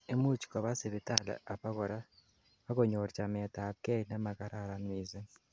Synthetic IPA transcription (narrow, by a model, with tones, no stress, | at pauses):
e˨mu˦t͡ʃi̥˨ka˨βa˦se˨βi˨ta˦la̰˨a˨pa˦kɔ˨ɾa˦ | a˦ko˨ɲo˨ɾt͡ʃa˨mɛ˨ta˨kɛ˦na˦ma˨ka˦ɾa˦˨ɾa˨nwiː˨za˦